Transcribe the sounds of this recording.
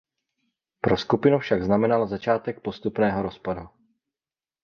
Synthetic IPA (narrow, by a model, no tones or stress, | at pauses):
pɾoskupɪnufʃaɡznamɛnalzat͡ʃaːt̪ɛk̚po̞st̪upnɛːɦo̞ɾo̞spadu